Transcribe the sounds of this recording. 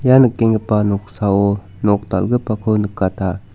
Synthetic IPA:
janəkːeŋɡəpanoksao | nok̚t̪a̰lɡəpakʰownəkːat̪a

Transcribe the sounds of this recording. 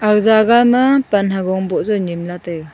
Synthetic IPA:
akzaɡamapanɦaɡɔŋbɔʔzɔɲimlatɯ

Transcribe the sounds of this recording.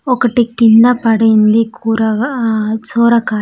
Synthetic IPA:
ɔkɐʈikt̪ind̪ɐpɐɽejnd̪ikʰuːɾɐɡt͡ʃoːɾɐkaː

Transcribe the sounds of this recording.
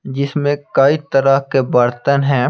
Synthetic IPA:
d͡ʒɪsmẽkaːit̪əɾakebəɾt̪ənɦɛ̃ː

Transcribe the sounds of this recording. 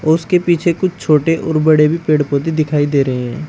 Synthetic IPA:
ɔɾʊskepiːt͡ʃʰekʊt͡ʃʰt͡ʃʰoːʈeʔɔːɾbɐɽebʱipeːɽpõd̪id̪ɪkʰaːid̪eːɾəɦeɦɛ̃ː

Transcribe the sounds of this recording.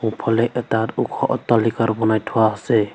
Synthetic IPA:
ũpʰɔlɛʔetaɾukʰɔʔɔt̪ːalikaɾbɔnajtʰɔwaase

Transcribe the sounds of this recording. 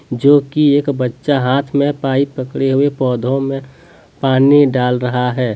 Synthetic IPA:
d͡ʒoːkieːkbətːʃaɦaːt̪ʰmẽpaːipəkɽeɦʊepɔːd̪ʱõmẽ | paːniɖaːlɾəɦaɦɛː

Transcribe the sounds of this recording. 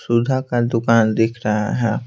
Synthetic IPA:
sʊd̪ʱakad̪ʊkaːnd̪ɪkʰɾɐɦa̰ɦɛː

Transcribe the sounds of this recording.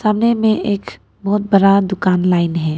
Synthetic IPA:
saːmnemẽʔeːk | bɔɦːt̪̚bəɽad̪ʊkaːnlaːɪnɦɛː

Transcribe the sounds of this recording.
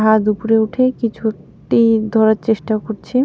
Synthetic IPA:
ɦad̪upuɾeuʈʰekit͡ɕʰu | ʈid̪ʱɔɾaɾt͡ɕeʃʈakoɾt͡ɕʰe

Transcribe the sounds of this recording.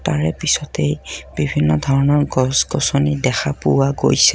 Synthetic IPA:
taɹɛpisɔtejb̥ibʱinːɔdʱɔɹɔnɔɹɡɔsɡɔsonidɛxapʊwaɡo̰jsɛ

